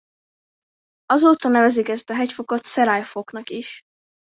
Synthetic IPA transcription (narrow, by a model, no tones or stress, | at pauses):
ɒzoːt̪ɒnɛvɛzikɛst̪ɒɦɛcfoko̞t̪sɛɾajfoknɒkiʃ